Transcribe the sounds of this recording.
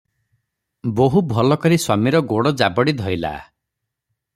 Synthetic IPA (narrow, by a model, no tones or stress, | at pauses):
boɦubʱɔlɔkɔɾiswamiɾɔɡoɽɔd͡ʒabɔɽid̪ʱɔila̰